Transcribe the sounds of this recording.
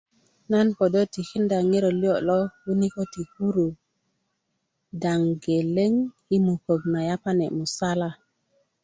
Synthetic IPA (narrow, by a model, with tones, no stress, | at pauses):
na˦npo˨do˦ti˨xi˦nda˨ŋi˦ɾo˨li˦o˨lo˦wu˦ni˦ko˦ti˨hu˦ɾu˨ | da˨ŋɡe˨le˦ŋ | i˦mu˨ko˨ɡ̚na˨ja˦pa˦ne˨mu˨sa˦la˦